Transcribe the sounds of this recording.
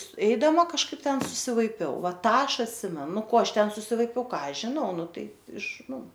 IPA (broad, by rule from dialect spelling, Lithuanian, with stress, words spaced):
ˈɛɪdɐmɐ kɐʃˈkɐɪp ˈtʲɛn sʊsʲɪʋɐɪˈpʲɛʊ ˈʋɐ ˈtɑː ˈɐʃ ɐtʲˈsʲɪmʲɛnʊ ˈnʊ ˈkoː ˈɐʃ ˈtʲɛn sʊsʲɪʋɐɪˈpʲɛʊ ˈkɑː ˈɐʃ ʒʲɪˈnɐʊ ˈnʊ ˈtɐɪ ɪʃ ˈnʊ